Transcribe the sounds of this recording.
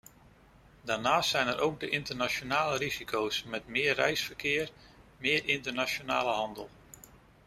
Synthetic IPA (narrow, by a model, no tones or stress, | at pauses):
danaːstsɛjnəɾʔowk̚dəʔɪntərnat͡ʃonaːlərizikʰowsmɛtmɪːərɛjsfərkʰɪər | mɪəɾʔɪntərnat͡ʃjona̰ːləɦɑndəlˠ